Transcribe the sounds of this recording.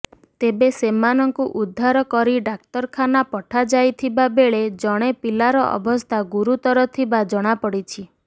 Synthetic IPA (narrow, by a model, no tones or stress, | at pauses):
t̪ebesemanɔŋkuʔud̪ʱːaɾɔkɔɾiɖak̚t̪ɔɾkʰanapɔʈʰad͡ʒajt̪ʰibabeɭed͡ʒɔɽ̃epilaɾɔʔɔ̰bɔst̪ʰaɡuɾut̪ɔɾɔt̪ʰibad͡ʒɔɽ̃apɔɽit͡ʃʰi